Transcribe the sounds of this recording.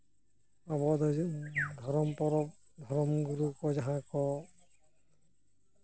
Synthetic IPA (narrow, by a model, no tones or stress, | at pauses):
abɔd̪ɔd̪ʱɔɾɔmpɔɾɔp̚ | d̪ʱɔɾɔmɡuɾukɔzaɦãkɔ